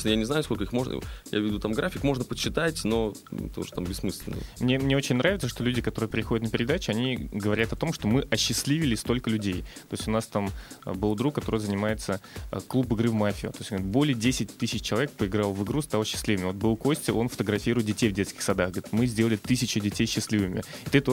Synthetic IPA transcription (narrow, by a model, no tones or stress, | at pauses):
nəjanʲɪznajʊskolkəixmo̞ʐnə̰ja̰vʲɪd̪ut̪amɡɾafʲɪkmo̞ʐnəpət͡ɕːɪt̪atʲno̞ | ɛ̰t̪əṵʐət̪ambʲɪsmɨsʲlʲɪ̰nə̰mnʲe̞mnʲeo̞t͡ɕɪnʲnɾavʲɪt̪səʂt̪olʲʉdʲɪkɐt̪o̞ɾɨjəpɾʲɪxo̞dʲt̪nəpʲɪɾʲɪd̪at͡ɕɪɐnʲiɡəvɐɾʲat̪ɐt̪o̞mʂt̪o̞mɨʔɐɕːɪsʲlʲivʲɪlʲɪst̪o̞lʲkəlʲʉdʲejt̪o̞ɪsʲtʲʊnast̪am̰bɨlˠd̪ɾukːɐt̪o̞ɾəjəzənʲɪmajɪt̪sə̰klˠupɨɡɾɨvmafʲɪə̰t̪o̞sʲonɡɾɪt̪̚bo̞lʲɪjədʲesʲɪt̚ʲt̪ɨsʲɪt͡ɕt͡ɕːɪlˠɐvʲek̚pəɪɡɾalˠvɨɡɾust̪alˠəɕːɪ̥sʲlʲivɨmʲɪvot̪bɨlˠko̞sʲtʲɪʔo̞nfə̥t̪əɡɾɐfʲiɾʊɪt̪̚dʲɪtʲejvdʲet̪skʲɪ̥xsɐd̪axɡəɾʲɪ̥t̪mɨzʲdʲe̞lˠəlʲɪt̪ɨsʲɪt͡ɕɪdʲɪtʲejɕːɪsʲlʲivɨmʲɪ̰ɪt̪ɨt̪o